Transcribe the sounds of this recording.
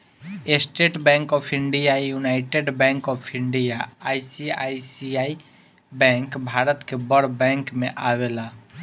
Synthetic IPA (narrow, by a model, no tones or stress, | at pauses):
esʈeːʈbɛ̃ŋkɔːpʰɪ̃ɳɖijajunaɪʈeɖbɛ̃ŋkɔːpʰĩɳɖijaaːisia̰isiaːi | bɛ̃ŋkbʱaːɾət̪kebəɽbɛ̃ŋkmẽʔaʋela